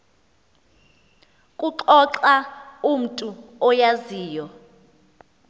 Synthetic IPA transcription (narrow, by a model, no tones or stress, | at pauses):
kʼuǁɔǁaum̩tʼuɔjaziːjɔ